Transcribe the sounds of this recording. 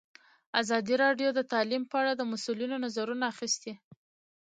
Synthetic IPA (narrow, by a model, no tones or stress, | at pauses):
azɑd̪iɾɑɖjod̪ət̪ɑlimpəaɽad̪əmasulinonazaɾunaːxist̪e